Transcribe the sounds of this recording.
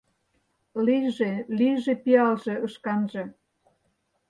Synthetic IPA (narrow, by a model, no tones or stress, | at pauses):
liʒeliʒĕpiɑlʒĕəʃkɑnʒĕ